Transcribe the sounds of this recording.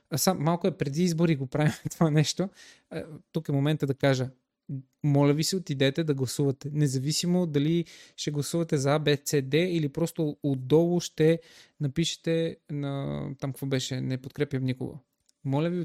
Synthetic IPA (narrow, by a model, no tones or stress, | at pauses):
samːalˠkʊɛpɾɛd̪iizboɾiɡopɾavimt̪ovanɛʃt̪o | t̪ukɛmomɛnt̪əd̪ɐkaʒə | mɔlʲəvisiot̪id̪ɛt̪ɛd̪ɐɡlˠɐsuvɐt̪ɛnɛzɐvisimod̪ɐliʃt̪ɛɡlˠɐsuvɐt̪ɛzɐabɛt̪sɛd̪ɛilipɾɔst̪oːd̪ɔlˠʊʃt̪ɛnɐpiʃɛ̥t̪ɛnɐt̪amkkvɔbɛʃɛnɛpot̪̚kɾɛpjəmnikʊ̰ɡə̰ | mɔlʲəvi